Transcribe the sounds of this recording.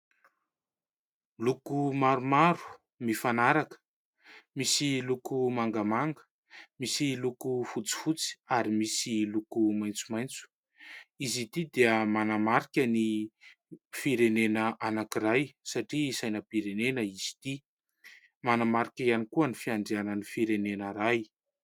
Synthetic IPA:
lukumaɾumaɾu̥ | mifanaɾakə̥ | misilukumaŋɡəmaŋɡə̥ | misilukufut͡si̥fut͡si̥aɾimisilukumajnt͡sumajnt͡su̥ | izit̪id̪eəmanamaɾikʲəni | fiɾenenəʔanakiɾajsaʈ͡ʂisajnəpiɾenenəiz̥i̥t̪i | manamaɾikʲianikuənifiaɳɖ͡ʐianənifiɾenenəɾaj

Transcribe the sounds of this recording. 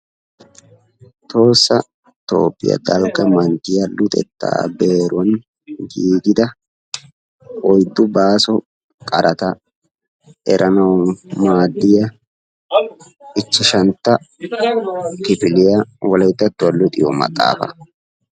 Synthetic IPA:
t̪o̞ːsːɐ | t̪o̞̰ːpːɪ̰jɐ̰ɡ̪ɐlkʼːɐmɐnt̪ɪjɐlʊt̪ʼɛ̰t̪ːa̰ːbeːɾɔn | ɡiːɡɪd̪ɐ | ɔjd̪ːʊbaːsɔ | kʼɐɾʔɐt̪ɐ | ɛɾʔɐnɐwmaːd̪ːɪjɐ | ɪt͡ʃːɪʃɐnt̪ːɐ | kɪfɪlɪjɐwɔlɐjt̪ːɐt̪ːʊɐlːʊt̪ʼɪjɔ̰mɐ̰t̪ʼːa̰ːfɐ̰

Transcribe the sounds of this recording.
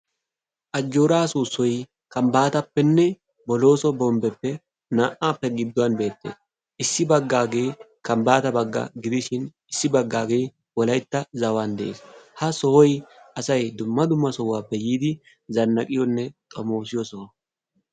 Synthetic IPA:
ʔɐd͡ʒːoːɾaːsuːsːɔj | kɐmbaːt̪ɐpːɛnːɛ | bɔlo̞ːsɔbɔmbɛpːɛ | naːʔaːpːɛɡɪd̪ːʊwɐnbe̞ːt̪ːḛːs | ʔɪsːɪbɐɡːaːɡe̞j | kɐmbaːt̪ɐbɐɡːɐ̰ɡɪd̪ɪʃɪn | ɪsːɪbɐɡːaːɡej | wɔlɐjt̪ːɐzɐwand̪ɛʔḛːshɐsɔhɔjʔɐsɐjd̪ʊmːɐd̪ʊmːɐsɔwːaːpːɛjiːd̪ɪ | zɐnːɐkʼɪjɔnːɛt̪ʼɔmoːsɪjɔsɔwɐ

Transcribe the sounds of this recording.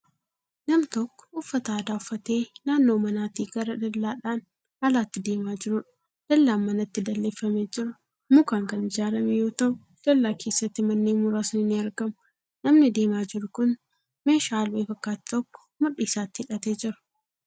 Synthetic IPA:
nɐmt̪ɔkːɔ̥ʊfːɐt̪aːd̪aːʊfːɐt̪e̞ːnaːnːo̞ːmɐnaːt̪iːɡɐɾɐd̪ɐlːaːᶑaːn | ɐlaːt̪ːɪd̪e̞ːmaːd͡ʒɪɾʊᶑɐ̥ | d̪̥ɐlːaːnmɐnɐt̪ːɪd̪ɐlːeːfːɐmeːd͡ʒɪɾʊ | mʊkaːŋkɐnɪd͡ʒaːɾɐmɛjo̞ːt̪ɐʔʊ | d̪̥ɐlːaːke̞ːsːɐt̪ːɪmɐnːeːmʊɾaːsʊnɪnːɪɐɾɡɐmʊ | nɐmnɪd̪e̞ːmaːd͡ʒɪɾʊkʊn | me̞ːʃaːlbeːfɐkːaːt̪ːɪ̥t̪ɔkːɔ̥mɐᶑiːsaːt̪ːɪɪᶑɐt̪e̞ːd͡ʒɪɾɐ̥

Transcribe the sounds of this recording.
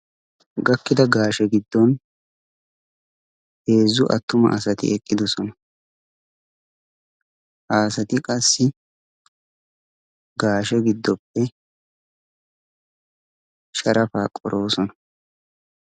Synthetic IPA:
ɡɐkːɪd̪ɐɡaːʃɛɡɪd̪ːɔn | he̞ːzːʊʔɐ̰t̪ːʊmɐ̰ʔɐsɐt̪ɪ̰ʔɛkʼːɪd̪ʊsɔnɐ | haːsɐt̪ɪkʼɐsːɪ | ɡaːʃɛɡɪd̪ːɔpːɛ | ʃɐɾʔɐfaːkʼɔ̰ɾʔo̞ːsɔnɐ

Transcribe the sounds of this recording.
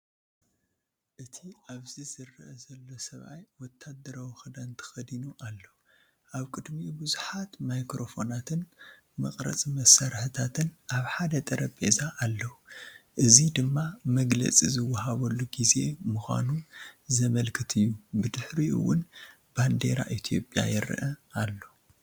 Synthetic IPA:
ʔɨt̪ʰiaβzizɨrːɨʔɐzɐlːo̞sɐβʔa̰jwɔt̪ʰːad̪ɐɾawxɨd̪ɐnt̪ʰɐ̥xɐd̪inuʔalːɐ | ʔaβkʼɨd̪mibɨzuħat̪majkɾo̞fo̞nat̪ʰɨn | mɐ̰kʼɾɐ̰t͡sʼmɐsaɾħɨt̪ʰat̪ʰɨnʔaβħad̪ɐt̪ʼɐɾɐbʼḛzaʔalːɐwuʔɨzid̪ɨmːamɐɡlɐ̰t͡sʼizɨwːɐɦaβɐlːuɡize̞muxʷa̰nuzɐmɐlkʰɨt̪ʰɨjːubɨd̪ɨħɾiʔɨ̰wːʊn | band̪e̞̰ɾa̰ʔit̪ʰijo̞pʼja̰jɪɾ̰ʔɐalːo

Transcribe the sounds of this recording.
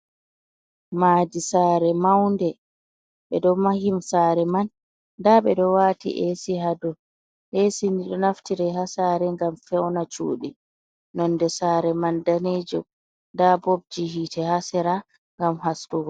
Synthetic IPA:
maːdisaːɾɛmawndɛ | ɓɛ̰ɗɔmahimsaːɾɛmanː | daɓɛɗɔwaːtḭʔesihadɔ | ʔesiniɗɔnaftiɾɛɦasaːɾɛŋɡamfɛwnat͡ʃṵːɗḭ | nɔndɛsaːɾɛmandaned͡ʒɔ | ndabob̚d͡ʒiɦiːtʰɛhasɛɾa | ŋɡamhastuɡɔ

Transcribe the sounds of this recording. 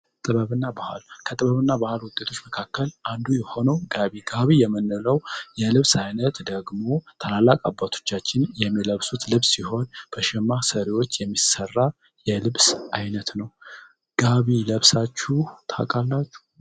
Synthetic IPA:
t̪ʼɨβəβɨnːabaha̰lkʰət̪ʼɨβəβɨnːabahlwʊt̪ʼːe̞t̪ʰo̞t͡ʃːməkʰakːəlʔand̪ujɛho̞nəwɡaβiɡaβijɛmːɨnːɨləwjɛlɨβsajnət̪d̪əɡmo̞t̪ʰəlalːakʼa̰bːat̪ʰo̞̥t͡ʃːat͡ʃːɪnjɛmːiləβsut̪lɨβsːiho̞nb̥əʃɛmːasəɾewot͡ʃːjɛmːisərːa | jɛlɨβsʔajnət̪nəw | ɡ̥aβiləβsat͡ʃːuht̪ʰa̰kʼalːat͡ʃːu̥

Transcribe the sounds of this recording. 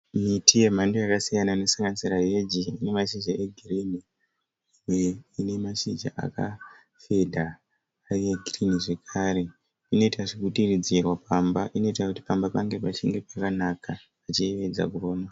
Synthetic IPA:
mitʰije̞mandojakasijanane̞saŋɡanisirajed͡ʒiːne̞maʃind͡ʒaʔeɡʱirini | imweine̞maʃind͡ʒa̰ʔa̰ka̰ | fe̞dʱaː | ijeɡʱiriniʐe̞kʰaːɾe̞ | ino̞itaʐikutirid͡zirwapambaʔino̞itakuti̥pambapaŋɡe̞pat͡ʃiŋɡe̞pakanakaː | t͡ʃieʋe̞d͡za̰kuroːna

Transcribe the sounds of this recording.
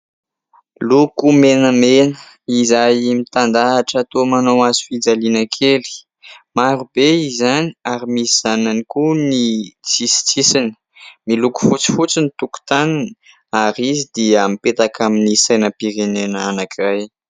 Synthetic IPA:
lukumenəmenə | izajmit̪and̪aːʈ͡ʂat̪omanowazu̥fid͡zalinəkʰeli̥ | maɾub̥eizaniaɾimisiz̥ananikunit͡sisi̥t͡sisinə̥ | miluku̥fut͡si̥fut͡sinit̪uku̥t̪anini̥ | aɾizid̪iamipet̪akʰaminisajnəpiɾenenanakiraj

